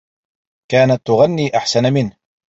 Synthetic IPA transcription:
kaːnat̪ːʊɣanːiːʔaħsanamɪnh

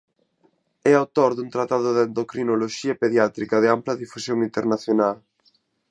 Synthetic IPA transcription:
ɛawt̪oɾðuŋt̪ɾat̪aðʊðend̪okɾinoloʃiɐpeðjat̪ɾikɐðɪamplɐðifusjoŋint̪eɾnaθjonal

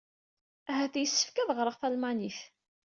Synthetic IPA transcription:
æɦæθjəsːə̥fkæðʁɾˤəʁθælmæniθ

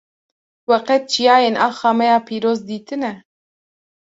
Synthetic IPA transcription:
wɛqɛt̪̚t͡ʃʰijɑːjeːnɑːxɑːmɛjɑːpʰiːɾoːzd̪iːt̪ɨnɛ

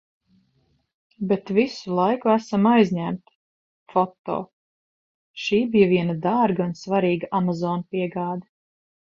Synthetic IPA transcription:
bet̪visulˠajkuæsamajzɲæmt̪ | fɔt̪ːɔ̰ː | ʃiːbijaviɛnad̪aɾɡaunsvaɾiːɡaʔamazɔːnpiɛɡaːd̪ɐ

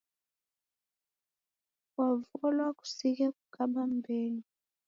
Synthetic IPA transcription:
wavɔlwaku̥sikaku̥kʰaɓambɛli

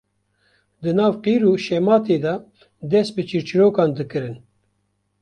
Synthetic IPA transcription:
d̪ɨnɑːvqiːɾuːʃɛmɑːt̪eːd̪ɑ | d̪ɛst̪̚bɨt͡ʃʰiɾt͡ʃɨɾoːkɑːnd̪ɨkɨɾɨn

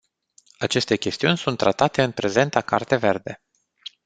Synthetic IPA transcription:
at͡ʃe̞st̪e̞kʲe̞st̪iunʲsunt̪ːɾat̪at̪e̞ɨnpɾe̞ze̞nt̪aka̰rt̪e̞ve̞rd̪e

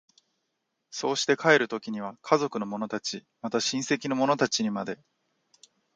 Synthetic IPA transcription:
so̞ːɕi̥t̪e̞kae̞ɾɯ̟t̪o̞kʲiɲ̟iβ̞akʰazo̞kɯ̟no̞mo̞no̞t̪at͡ɕi | mat̪aɕĩɰ̃se̞kʲino̞mo̞no̞t̪at͡ɕiɲ̟imad̪e̞

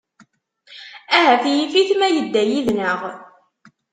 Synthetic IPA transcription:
æɦæθjifiθmæjəd̪ːæjiðnəʁ

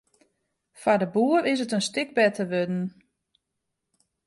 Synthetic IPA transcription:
fadəbuːərɪs̬ətənstɪɡ̚bɛtʰəʋødn̩

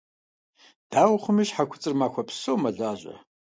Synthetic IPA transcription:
d̥aːwχʷʊmɨʃħakʷʰʊt͡sʼɨrmaːkʷɔpʰsowmɐɮaːʑʼɐ̰

